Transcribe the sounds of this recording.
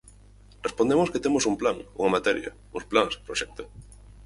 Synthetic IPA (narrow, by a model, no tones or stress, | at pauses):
respond̪emosket̪emosumplaŋṵŋɐmat̪ɛɾjɐ̰ | ṵsplaŋspɾoʃɛk̚t̪ʊ